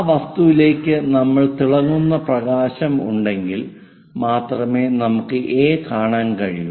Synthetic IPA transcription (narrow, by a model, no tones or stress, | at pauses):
ʋɐst̪uʋile̞ːkʲːɨnɐmːɐɭt̪iɭɐŋːunːɐprɐɣaːɕɐmṵɳɖe̞ŋɡil | maːt̪rɐme̞ːnɐmukːɨʔeːkaːɳaːnkɐɻiju